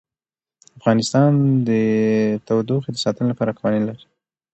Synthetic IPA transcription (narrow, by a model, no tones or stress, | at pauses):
afɣɑnɪst̪ɑnd̪ət̪awd̪oxed̪əsɑt̪ənolapɑɾakwɑnilaɾi̥